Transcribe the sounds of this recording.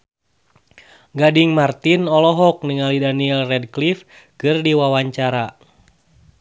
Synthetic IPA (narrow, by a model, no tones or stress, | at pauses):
ɡadiŋmart̪inɔlɔɦɔk̚niŋalidaniɛlrɛd̚klif | kɨrdiwawaɲt͡ʃaɾa